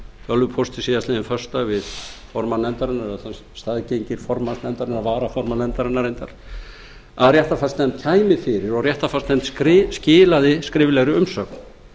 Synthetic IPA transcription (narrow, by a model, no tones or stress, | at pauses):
fœlvʏpʰowst̪ɪsiːjasɪðɪnfœ̥st̪avɪðfɔɾmanɛnt̪aɾɪnːaɾaðθan | st̪aðcejɲcɪɾ̥fɔɾmasnɛnt̪aɾɪnːaɾvaːɾafɔɾmanɛnt̪aɾɪnːaɾejnt̪aɾ̥ | aðrjɛht̪afast̪nɛmt̪̚cʰaːjmɪfɪɾɪɾɔrjɛht̪afast̪nɛmt̪sɾɪscɪːlaðɪskɾɪːvlɛɣɾʏʏmsœːkn